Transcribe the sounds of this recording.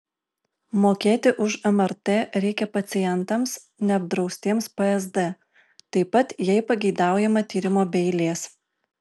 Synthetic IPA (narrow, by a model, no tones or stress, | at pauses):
moːkʲeːt̪ʲɪʔʊʃɛmɛɾt̪eːɾʲɛɪkʲɛpɐt̪sʲɪjɛnt̪ɐms | nʲɛɐb̚d̪ɾɒʊsʲt̪ʲeːmspɛɛzd̪ɛ | t̪ɐɪpɐt̪jɛɪpɐɡʲɛɪd̪ɑˑʊjɛmɐt̪ʲiːɾʲɪmoːbʲɛɪlʲeːs